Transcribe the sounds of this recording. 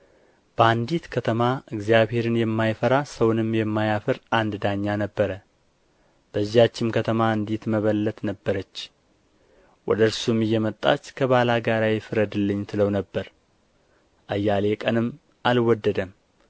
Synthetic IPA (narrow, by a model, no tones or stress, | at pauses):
b̥əand̪it̪kʰət̪ʰəmaɨɡzijaβhe̞ɾɨnjɛmːajfəɾasəwnɨmːjɛmːajafɨɾʔand̪d̪aɲːanəbːəɾə | b̥əzːihat͡ʃːɪmkʰət̪ʰəmaɨnd̪it̪məβəlːət̪nəbːəɾət͡ʃː | wɔ̰d̪əɾsumɨjːɛmət̪ʼːa̰t͡ʃːkʰəβalaɡaɾajɪfɨɾəd̪ɨlːɨɲːt̪ʰɨləwnəbːəɾ | ʔajːalekʼənɨmː | ʔalwɔd̪ːəd̪əm